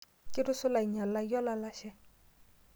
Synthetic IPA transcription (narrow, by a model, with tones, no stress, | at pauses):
kɪ˦ɾʊ˦sʊ˦la˨i˨ɲa˨la˦jɔ˦la˦la˦ʃɛ˦